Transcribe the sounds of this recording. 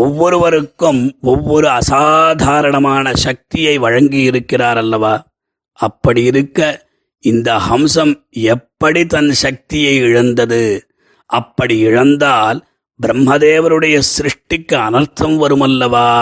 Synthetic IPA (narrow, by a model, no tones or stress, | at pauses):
ɔʋːɔɾɯʋɐɾɯkːɯmɔʋːɔɾɯɐsaːd̪ʱaːɾɐɳɐmaːnɐʃɐk̚t̪ɪjɐɪʋɐɻɐŋɡijɪɾɯkːɪraːɾɐlːɐʋaː | ɐpːɐɽijɪɾɯkːɐ | ɪnd̪ɐhɐmsɐm | ɛpːɐɽit̪ɐnʃɐk̚t̪ɪjɐɪɪɻɐnd̪ɐðɯ | ɐpːɐɽiɪɻɐnd̪aːl | bɪɾɐmɦɐðeːʋɐɾɯɽɐjɐsɾɪʂʈɪkːɯɐnɐɾt̪ʰːɐmʋɐɾɯmɐlːɐʋaː